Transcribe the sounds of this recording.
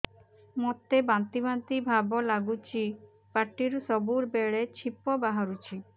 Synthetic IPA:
mɔt̪ebant̪ibant̪ibʱabɔlaɡut͡ʃi | paʈːiɾsɔbuɾbeɭet͡ɕʰipɔbaɦaɾut͡ʃʰi

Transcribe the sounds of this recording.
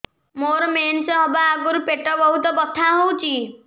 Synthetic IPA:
moɾmensɔɦɔbaːɡuɾpeʈɔbɔɦut̪ɔbɔt̪ʰːaɦowt͡ʃʰi

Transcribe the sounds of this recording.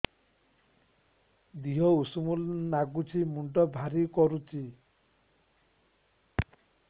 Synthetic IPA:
d̪iɦɔusumulnaɡut͡ʃʰimuɳʈɔbʱaɾikɔɾut͡ʃʰi

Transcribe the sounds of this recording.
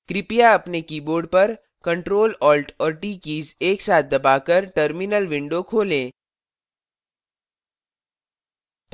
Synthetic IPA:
kɾɪpijaɐpnekiːboːɾɖ̚pɐɾ | kɐ̃ɳʈɾoːlɔːlʈɔːɾʈiːkiːzeːksaːt̪̚ʰd̪ɐbaːkɐɾʈəɾmɪnəlʋɪ̃ɳɖokʰoːlẽː

